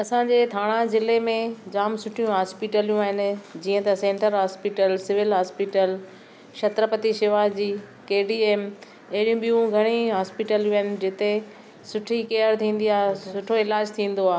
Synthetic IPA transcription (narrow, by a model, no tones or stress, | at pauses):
ɐsãɲd͡ʑeːt̪ʰaːɽ̃ãzɪlemẽd͡ʑaːmsʊʈʰijũɦaːspiʈəlijũaːɦɪnɪ̆d͡ʑiːə̃t̪ɐsẽːɳʈəɾɦaːspiʈəlsɪʋɪlɦaːspiʈəl | ʃɐt̪ɾəpət̪iʃɪʋaːd͡ʑiː | keːɖieːm | ɐɦɪɽijũɓijũɡʱɐɽ̃iɦaːspiʈəljũaːɦɪnɪ̆d͡ʑɪt̪e | sʊʈʰikejəɾt̪ʰĩːn̆d̪iaːɦsʊʈʰoɪlaːd͡ʑt̪ʰĩːn̆d̪oaːɦ